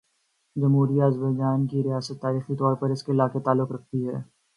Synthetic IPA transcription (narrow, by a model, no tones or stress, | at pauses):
d͡ʒɐmɦuːɾiɐzbəjd͡ʒaːnkiɾɪjaːsət̪ːaːɾiːxit̪ɔːɾpɐɾɪskeɪlaːket̪aːlːʊkɾɐk̚ʰt̪iɦɛː